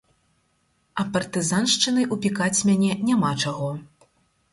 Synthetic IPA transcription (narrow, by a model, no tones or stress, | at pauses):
ɐpɐrt̪ɨzanʂt͡ʂɨnɐjʔupʲikat͡sʲmʲanʲɛnʲamat͡ʂaɣɔ